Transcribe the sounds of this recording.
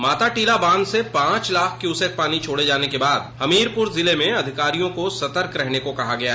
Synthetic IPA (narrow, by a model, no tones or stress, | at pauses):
maːt̪aʈiːlabãːnd̪sepãːt͡ʃlaːkʰkjuːsək̚paːnit͡ʃʰoːɽed͡ʒaːnekebaːd̪hɐmiːɾpʊɾzɪlemẽɐd̪ʱɪkaːɾijõkosɐt̪əɾkɾɛɦnekokɐɦaɡɐjaɦ